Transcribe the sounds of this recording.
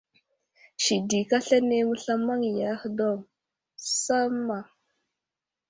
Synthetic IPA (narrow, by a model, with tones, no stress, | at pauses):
ʃi˨di˨ka˦ɬa˦ne˦mu˦ɬa˦ma˦ŋ˨ja˨˦hdo˦˨ŋ | sa˦ma˨